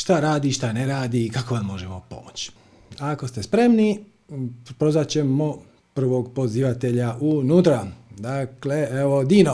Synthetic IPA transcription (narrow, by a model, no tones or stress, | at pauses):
ʃt̪aɾaːd̪iʃt̪aneɾaːd̪iːkakoʋanmo̞ʒemo̞po̞̰mot͡ɕ | ako̞st̪e̞spɾe̞mni | pɾozat͡ɕe̞mo | pr̩ʋo̞ɡpo̞ziʋat̪e̞ʎaʔunuːt̪ɾad̪akle̞eʋo̞d̪iːno